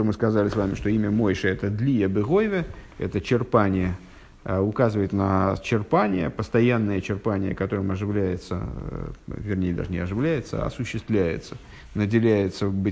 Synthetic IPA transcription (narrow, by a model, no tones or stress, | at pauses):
omɨskɐzalʲɪsvamʲɪʂt̪o̞imʲəmo̞jʂɨɛt̪əd̪lʲijəbɨɣojvʲəɛ̰t̪ət͡ɕɪrpanʲɪjə | ʊkazɨvəjɪt̪nət͡ɕɪrpanʲɪjə̰pəst̪ɐjanːəjət͡ɕɪrpanʲɪjə̰kɐt̪o̞ɾəmɐʐɨvlʲæjɪt̪sə̰ | vʲɪrnʲejd̪a̰ʐənʲɪɐʐɨvlʲæjɪt̪səɐ̰sʊɕːɪst̪vlʲæjɪ̰t̪sə̥ | nədʲɪlʲæjɪt̪səbɨ